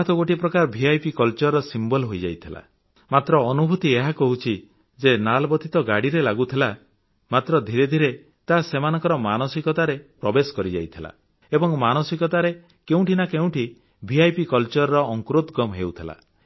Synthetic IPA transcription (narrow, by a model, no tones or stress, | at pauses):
t̪ʰɔɡoʈipɾɔkaɾɔbʱiajpikɔlt͡ʃɔɾːɔsimbɔlɦojd͡ʒa̰jt̪ʰila̰ | mat̪ɾɔːnubʱut̪ieɦakɔɦut͡ʃʰi | d͡ʒenalbɔt̪ʰit̪ɔɡaɽiɾelaɡut̪ʰila | mat̪ɾɔd̪ʱiɾed̪ʱiɾe | t̪asemanɔ̃ŋkɔɾɔmanɔsikɔt̪aɾepɾɔbesɔ̥kɔɾid͡ʒa̰jt̪ʰila̰ | ebɔŋmanɔsikɔt̪aɾe | keũʈʰinakeũʈʰi | bʱiajpikɔlt͡ʃɔɾɾɔːŋkɾot̪ɡɔmɦeut̪ʰila̰